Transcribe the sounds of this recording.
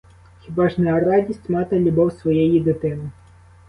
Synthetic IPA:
xʲibaʐnɐjɐradʲisʲtʲmɑt̪ɐlʲubɔwsʋɔjɛjid̪ɪt̪ɪnɪ

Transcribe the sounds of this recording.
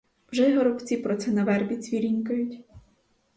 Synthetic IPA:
wʒɛɦɔɾɔbt͡sʲipɾɔt̪sɛnɐʋɛrbʲit͡sʲʋʲiɾʲinʲkʊjʊtʲ

